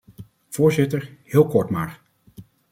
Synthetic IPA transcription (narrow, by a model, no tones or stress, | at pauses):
v̥ʊːɹzɪtəɹhɪːlˠkɔɹtmaːɹ